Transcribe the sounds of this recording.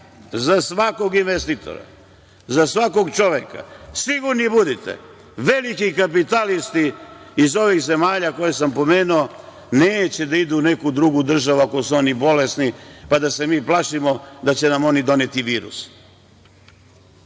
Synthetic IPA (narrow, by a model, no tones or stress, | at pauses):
zasʋako̞ɡinʋest̪it̪o̰ɾa̰ | zasʋako̞ɡt͡ʃo̞ʋeka̰siɡuɾnibud̪it̪ḛ | ʋe̞likikap̬it̪alist̪iː | zo̞ʋiɣze̞maːʎako̞jesampo̞me̞ːnuo | neːt͡ɕe̞d̪aid̪une̞kud̪ɾuɡud̪r̩ʒaʋuakosuo̞nibo̞le̞snipad̪ase̞miːplaʃimo̞d̪at͡ɕe̞namo̞nid̪o̞net̪iʋiːɾṵs